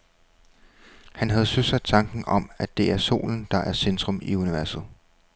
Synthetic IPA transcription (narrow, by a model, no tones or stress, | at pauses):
hænɦæð̞̩ˠsøsæ̥t͡sʰɑ̈ŋɡ̥n̩ɒ̽mæd̥d̥e̝æɐso̝̰ːln̩d̥ɑ̈ʔæɐsend̥ʁɔ̽miuniʋæɐsð̩ˠ